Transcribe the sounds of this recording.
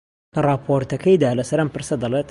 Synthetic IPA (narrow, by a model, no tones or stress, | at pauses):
kɐrˤɑːpʰoːɾt̪ɐkʰɐjd̪aːlɐsɐɾɐmpɨɾsɐd̪ɐlet̪